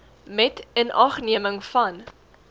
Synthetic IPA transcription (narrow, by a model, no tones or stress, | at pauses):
mɛtənʔɑχniəməŋfɐn